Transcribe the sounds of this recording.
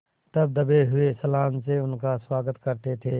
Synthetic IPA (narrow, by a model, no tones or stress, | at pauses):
t̪ɐb̚d̪ɐbeɦʊesɐlaːmseʊnkaswaːɡət̪kɐɾt̪et̪ʰeː